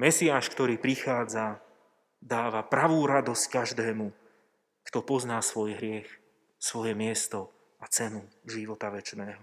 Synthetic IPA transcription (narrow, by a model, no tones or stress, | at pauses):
mɛsɪaːʃkt̪ɔɾiːpɾixaːd͡za | d̪aːʋapɾaʋuːɾad̪ɔsckaʒd̪ɛːmu | kt̪ɔpɔznaːsʋɔjɦɾɪɛx | sʋɔjɛmɪɛst̪ɔ | at͡sɛnuʒiʋɔt̪aʋɛt͡ʃnɛːɦɔ